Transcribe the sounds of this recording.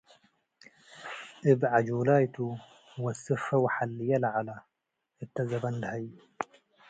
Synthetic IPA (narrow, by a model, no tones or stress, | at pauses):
ʔɪbʕad͡ʒulaːjt̪u | hwasɨfːawaħalːɪjalʕala | ʔɪt̪ːazabandhaj